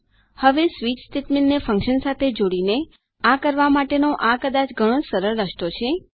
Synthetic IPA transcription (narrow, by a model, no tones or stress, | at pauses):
həʋesʋit͡ʃst̪eʈmɛnːefə̃ŋkʃənsat̪ʰed͡ʒoɽine | akəɾʋamaʈenoʔakəd̪at͡ʃɡʱəɽ̃õsəɾəɾːəʃʈ̪ot͡ʃʰe